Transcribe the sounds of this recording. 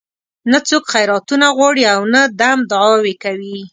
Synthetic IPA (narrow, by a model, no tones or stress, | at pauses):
nat͡sokxajɾɑt̪unaɣwɑɽiawnad̪amd̪ʊʕɑwekawi